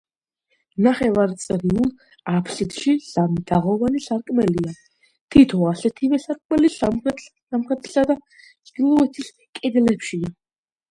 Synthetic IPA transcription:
naχɛvaɾt̪sʼɾiulˠ | apʰsit̪ʰʃiz̥amid̪aʁɔvanisaɾkʼmɛlia | t̪ʰit̪ʰɔasɛt̪ʰivɛsaɾkʼmɛlis | amχɛt̪ʰi̥sad̪a | zɡilˠɔɛt̪ʰis | kʼɛd̪lɛpʰʃia

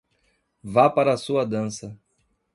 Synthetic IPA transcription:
vapaɾɐːsuɐd̪ɐ̃sɐ

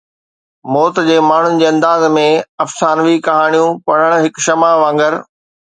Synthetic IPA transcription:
mɔːt̪d͡ʑeːmaːɳ̤ʊnɪ̆d͡ʑeːɐ̃nd̪aːzmẽɐfsaːnʋikɐɦaːɽ̃ijũpɐɽ̤əɽ̃ɦɪkʃɐmaʋãːŋɡəɾ

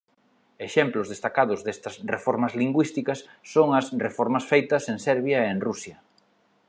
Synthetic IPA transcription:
eʃɛmplʊzðest̪akaðʊzðest̪ɐsrefɔɾmɐzliŋɡwist̪ikɐsːoŋɐsrefɔɾmɐsfejt̪ɐseŋsɛɾβjɐeŋrusjɐ

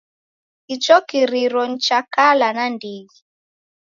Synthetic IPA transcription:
kit͡ʃɔkiɾiɾɔn̩t͡ʃakalanandiɡi

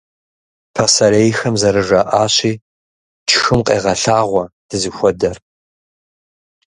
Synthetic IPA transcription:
pʰɐsɐɾejxɐmzɐɾɨʒʷɐʔaːɕiː | t͡ʃʰxɨmqʼḛːʁɐɬaːʁʷɔd̥ɨzɨxʷɔdɐr

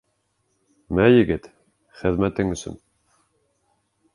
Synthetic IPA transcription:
mæjɘ̆ɡɘt̪ | χɘ̆ðmæt̪ɘŋɵ̆sɵ̰n

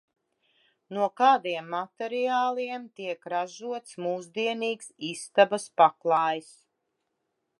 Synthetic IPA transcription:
nuɔkaːd̪iɛmːat̪ɛɾiaːlˠiɛmt̪iɛkɾaʒuɔt̪smuːzd̪iɛniːksist̪abaspaklˠaɑːjs

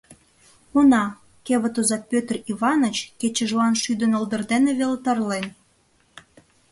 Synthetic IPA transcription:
unɑ | keβə̆t̪ozɑt̪̚pʲøt̪əriβɑnə̆t͡ɕket͡ɕə̆ʒlɑnʃyd̪ə̆nə̆ld̪ə̆rd̪eneβelt̪ɑrlen

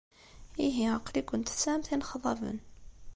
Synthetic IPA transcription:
iɦiəqːlikʷʊnt̪sæmθinχðˤɑvə̰n

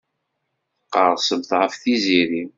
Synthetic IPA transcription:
qːəɾˤsəmθʁəfθiziɾim

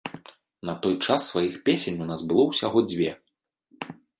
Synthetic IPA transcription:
nɐt̪ɔjt͡ʂasːvajixpʲesʲenʲunazbɨlˠɔwsʲaɣɔd͡zʲvʲɛ

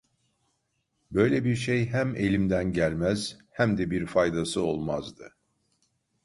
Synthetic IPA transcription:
bø̞jlʲebiɾʃejɦæme̞lʲimd̪ænɟælʲmæz̥hæmd̪ɛbiɾfajd̪asɯo̞lˠmazd̪ɯ

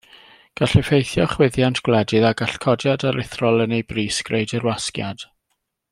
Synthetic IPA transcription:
ɡ̥aɬɛfejθjɔχwɪðjantʰɡ̥wlˠɛdɨðaɡaɬkʰɔdjadaɾʔɪθrɔlˠənejbriːsɡ̥rejdɪrwaskja̰d̥

